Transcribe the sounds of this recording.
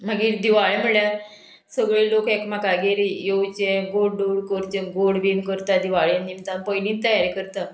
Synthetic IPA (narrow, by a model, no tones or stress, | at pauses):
m̤aɡiːɾd̪iʋaɭem̤əɭja | səɡɭelokekmakaɡeɾijowt͡ɕẽɡoɽɖoɽkəɾt͡ɕẽɡoɽbinkəɾt̪ad̪iʋaɭjanːimt̪anpəjniːt̪ːəjaɾekəɾt̪a